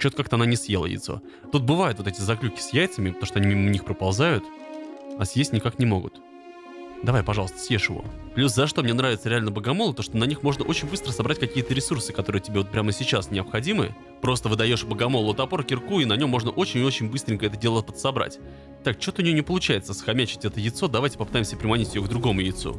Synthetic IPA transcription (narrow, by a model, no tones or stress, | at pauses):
t͡ɕokakt̪əɐnanʲɪsjelˠə̰jɪ̰t̪so̰ | t̪ut̪̚bɨvajʊt̪vot̪ɛtʲɪzɐklʲukʲɪ̥sʲjæjt̪səmʲɪpt̪ɐmoʂt̪oɐnʲiimnʲixpɾəpɐlˠzajʊt̪ | ɐsjesʲtʲnʲɪkaknʲɪmo̞̰ɡʊ̰t̪ | d̪ɐvajpɐʐɑlˠəst̪ə̥sjeʂɪvo̞̰plʲus̬zɐʂt̪o̞mnʲenɾavɪt̪səɾʲɪalʲnəbəɡɐmo̞lˠʊt̪o̞ʂt̪onɐnʲixmo̞ʐnəʔo̞t͡ɕɪnʲbɨst̪ɾəsɐbɾatʲkɐkʲijət̪əɾʲɪsursɨkɐt̪o̞ɾɨjətʲɪbʲeo̞t̪pɾʲaməsʲɪt͡ɕasnʲɪɐpxɐdʲimɨ̰ | pɾo̞st̪əvɨd̪ɐjo̞ʂbəɡɐmo̞lˠʊt̪ɐpo̞ɾkʲɪrkuinɐnʲo̞mːo̞ʐnəʔo̞t͡ɕɪnʲɪot͡ɕɪnʲbɨst̪ɾʲɪŋʲkəɛt̪ədʲe̞lˠətʲpət̪sɐbɾa̰tʲ | t̪ːak̚t͡ɕot̪əʊnʲɪjonʲɪpəlˠʊt͡ɕæjɪt̪səsxɐmʲæt͡ɕɪ̥tʲɛt̪əjɪt̪so̞d̪ɐvajtʲɪ̥pəpɨt̪ajɪmʲsʲəpɾʲɪmɐnʲitʲɪjoɡd̪ɾʊɡo̞mʊjɪt̪sṵ